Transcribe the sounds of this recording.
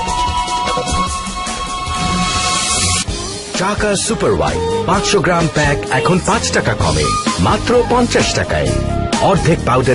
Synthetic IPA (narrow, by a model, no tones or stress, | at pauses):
t͡ʃakasupɐɾwa̰jpãt͡ʃsɔɡɾampɛkɛkʰɔnpãt͡ʃʈʌkakɔ̰mḛmat̪ɾɔpɔnt͡ʃasʈaka̰ḛɔɾd̪ʱik̚pawdʌ